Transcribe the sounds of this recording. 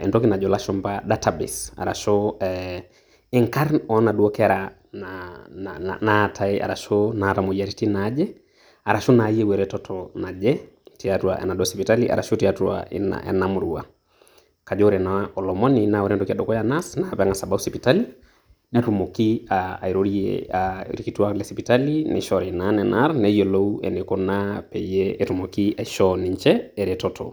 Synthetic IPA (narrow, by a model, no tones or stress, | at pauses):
ɛ̰ndɔkinad͡ʒɔlaʃɔmbaɗatabɛ̰sa̰ɾa̰ʃɔɛ | ɛŋkaɾnɔnaɗuɔkɛaɾa | na̰ | natʰaɛa̰ɾaʃɔnatamɔiaɾitinad͡ʒɛ | aɾaʃunaiɛwɛɾɛtɔtʰɔnad͡ʒɛ | tiatuaɛ̰naɗuɔsipitaliʔa̰ɾa̰ʃɔtiatua̰ḭn̰a̰namuɾua̰ | kad͡ʒɔɾɛnaɔlɔmɔninawɔɾɛndɔkiaɗɔkɔjanasnaβaŋasabausipitali | nɛtumɔkiaa̰iɾɔɾiɛ̰aɾikitualɛsipitalinɛ̰ʃɔɾɛnanɛnaɾnɛijɔlɔuɛ̰nɛkɔnapɛijɛɛtumɔkiaiʃɔniɲt͡ʃɛɛɾɛtɔtɔ̰